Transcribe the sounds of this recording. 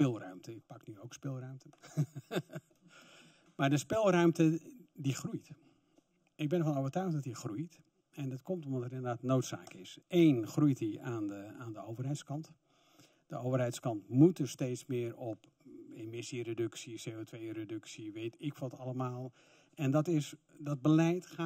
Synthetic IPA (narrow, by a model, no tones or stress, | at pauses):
pɪlˠrœɥmtəɪk̚pɑknyowkspɪlˠrœɥmtʰən | maːdəspɪlˠrœɥmtədixrujt | ɪɡ̚bɪnəfɔnowvərtœɥxtdɔtixrujt | ɛndɔtkɔmtɔmdɔtərɪndərdaːtnowtsa̰ːkɪseːnxrujtiaːnəaːndəowvərɦɛjtskɑnt | d̥əʔowvərɦɛjtskɑntmutəstejtsmɪːrɔp | emɪsiredɵksiseːoːtʰʋejredɵksiʋejtɪkʋɔtɑləmaːlˠ | ɛndɔtɪsdɔd̚bəlɛjtxa